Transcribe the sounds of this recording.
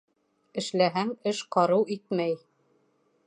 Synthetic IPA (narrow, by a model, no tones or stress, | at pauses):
ɘ̆ʃlæɦæŋɘʃqɑɾɤwit̪mæj